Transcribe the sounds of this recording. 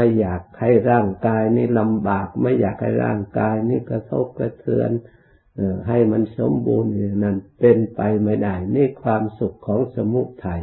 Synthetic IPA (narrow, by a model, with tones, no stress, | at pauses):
ma˧˥˩jːaː˨˩k̚ha˧˩jɾaː˧˩ŋkaː˧jniː˧˥˩la˧mbaː˨˩k̚ma˧˥˩jːaː˨˩k̚ha̰˧˩jɾa̰ː˧˥˩ŋkaː˧jniː˧˥˩ka˧˩t̪ʰo̰˧˥˩p̚ka˧t̪ʰɯ˧ən | ʔɯː˨˩ɦa˨˩jma˧˥˨nso˨˦mbuː˧nɯ˨˧ŋna˧˩npe˧npa˧jma˧˩jda˧˩jmiː˧˥˨kʰwaː˧msu˨˩kʰːɔː˨˦ŋsa˧mu˧˥˩ʔ̚t̪ʰa˧˩j